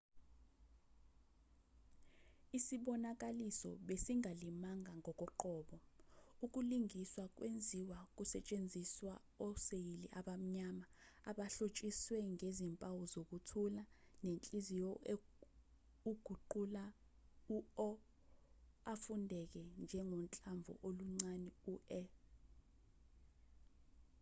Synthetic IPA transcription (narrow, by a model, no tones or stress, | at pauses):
isiɓɔnak̬ʼalisɔ̰ɓesiŋʱalimaŋʱaŋʱɔk̬ʼɔǃɔːɓɔuk̬ʼuliŋiswak̬ʼwend͡zʱiwak̬ʼusɛt͡ʃʼend͡zʱiswa | ɔsejiliʔaɓam̩ɲamaːɓaɬot͡ʃʼiswɛŋezimpʼawɔzok̬utʰulanent͡ɬʼizijɔe | uɡ̥ʱuǃula | uɔ | afundʱɛk̬ɛnd͡ʒʱɛŋɔnt͡ɬʼaɱb̪vʱɔ̰ʔoluŋ͡ǀanɛuɛ